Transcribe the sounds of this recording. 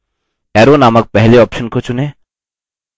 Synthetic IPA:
ɛːɾonaːmək̚pɛɦleɔːpʃənkot͡ʃʊneː

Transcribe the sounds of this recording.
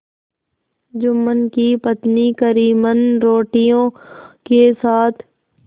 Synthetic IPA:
d͡ʒʊmːənkipət̪nikəɾiːmənɾoːʈijõkesaːt̪ʰ

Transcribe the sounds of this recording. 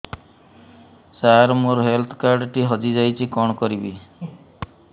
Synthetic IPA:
saɾmuɾɦelt̪ʰkaɾɖʈiɦɔd͡ʒid͡ʒajt͡ʃʰikɔɳ̃ɔkɔɾibi

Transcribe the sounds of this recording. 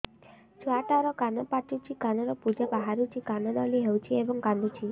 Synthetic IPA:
t͡ʃwaʈaɾɔkanɔpaʈut͡ʃʰikanɔɾɔpud͡ʒabaɦaɾut͡ʃʰikanɔd̪ɔliɦewt͡ʃʰiebɔŋkand̪ut͡ʃʰi

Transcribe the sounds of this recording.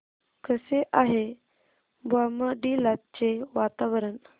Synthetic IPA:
kʰəseʔaɦe | baməɖilat̪̚t͡ɕeʋat̪aʋəɾən

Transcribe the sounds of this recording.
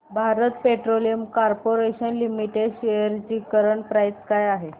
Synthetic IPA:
bʱaɾət̪peʈɾoliəmkaɾpoɾeɕənlimiʈeɖɕejəɾt͡ɕiːkəɾəɳpɾajskajaɦe

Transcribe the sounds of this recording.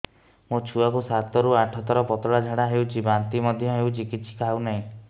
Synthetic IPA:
mot͡ʃʰuakusat̪ɔɾuaʈʰɔt̪ɔɾɔpɔt̪ɔɽad͡ʒʱaɽaɦewt͡ʃʰibant̪imɔd̪ʱjɔɦewt͡ʃikisʰi̥kaunaɦĩ

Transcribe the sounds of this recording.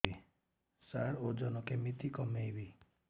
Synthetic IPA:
i | saɽod͡ʒɔnɔkemit̪ikɔmejbi

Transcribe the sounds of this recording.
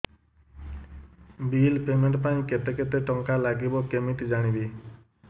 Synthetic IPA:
bilpemeɳʈpaĩket̪eket̪eʈɔŋkalaɡibɔkemit̪d͡ʒaɽ̃ibi

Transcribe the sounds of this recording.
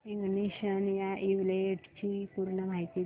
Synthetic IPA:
iŋɡniɕənjaʔiʋleeʈt͡ɕipuɾɳəm̤ajt̪i

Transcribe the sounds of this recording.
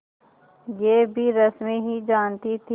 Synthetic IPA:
jeːbʱiɾɐsmeɦid͡ʒaːnt̪it̪ʰi

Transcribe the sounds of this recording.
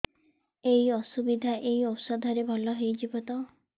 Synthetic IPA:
eɦiɔsubid̪ʱaʔeɦiɔpsɔd̪ʱɔɾebʱɔlɔɦejd͡ʒibɔt̪ɔ

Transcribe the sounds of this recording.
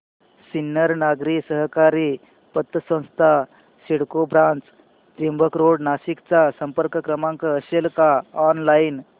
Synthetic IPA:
sinːəɾnaɡɾisəɦkaɾiː | pət̪ːəsə̃w̃st̪ʰa | ɕiɽkobɾãnt͡s | t̪imbʱəkɾoɽnaɕikt͡sasəmpəɾkəkɾəmãŋkəəɕelkaɔnlain

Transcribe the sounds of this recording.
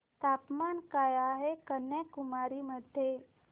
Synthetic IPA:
t̪apmankajaɦekənːekumaɾiməd̪ʱje

